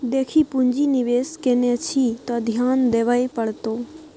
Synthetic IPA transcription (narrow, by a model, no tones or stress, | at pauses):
d̪eːkʰipʊɲd͡ʒinɪʋeːskenet͡ʃʰit̪od̪ʱjaːnd̪eːʋaːjpəɽt̪oː